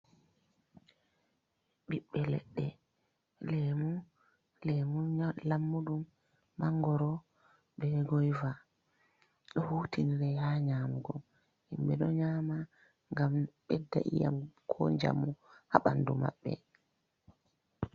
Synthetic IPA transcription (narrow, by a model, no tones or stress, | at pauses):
ɓiɓːɛlɛ̰ɗːɛ | lɛmu | lɛmulamːuɗum | baŋɡɔɾɔ | ɓɛɡɔjva | ɗɔhuːtiniɾɛhaɲaːmuɡɔ | himɓɛɗɔɲaːma | ŋɡamɓɛdːa̰ʔija̰mkʰɔɲd͡ʒa̰muhaɓanduma̰ɓːɛ̰